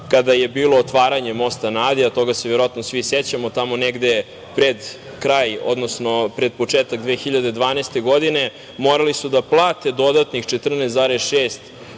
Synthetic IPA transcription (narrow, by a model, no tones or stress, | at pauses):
kad̪aje̞biːlˠo̞ːt̪ʋaːɾaɲe̞mo̞st̪anaːd̪iat̪o̞ɡaseʋjeɾoat̪nosʋiset͡ɕamo̞t̪amo̞neɡd̪e̞ | pɾed̪ | kɾaːjo̰d̪nosno̞pɾe̞d̪̚po̞t͡ʂeːt̪aɡd̪ʋeːxiʎad̪ed̪ʋaːnest̪e̞ɡo̞d̪ine̞ | moɾalisud̪aplˠaːt̪e̞d̪o̞d̪at̪nixt͡ʃet̪r̩neszaːɾesʃeːst̪